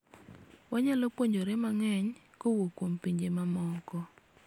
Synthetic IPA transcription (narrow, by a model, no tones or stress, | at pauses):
waɲalɔpwoɲd͡ʒoɾemaŋɛɲ | kowokwompiɲd͡ʒemamɔkɔ